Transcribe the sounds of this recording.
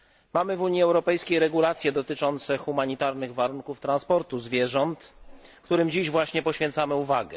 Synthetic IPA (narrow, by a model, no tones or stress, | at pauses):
mamɘvuɲjiɛwɾɔpɛjskʲejɾɛɡulat̪sʲjɛd̪ɔt̪ɘt͡ʂɔnt̪sɛxumaɲit̪aɾnɘɣvaɾunkuft̪ɾanspɔɾt̪uzvʲjɛʐɔnt̪kt̪uɾɘmd͡ʑiʑvwaɕɲɛpɔɕfʲɛ̃nt̪samɘuvaɡɛ